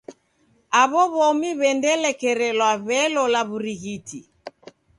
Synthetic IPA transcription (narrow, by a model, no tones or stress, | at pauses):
aβɔβɔmiβɛndɛlɛkɛɾɛlwaβɛlɔlaβuɾiɣiti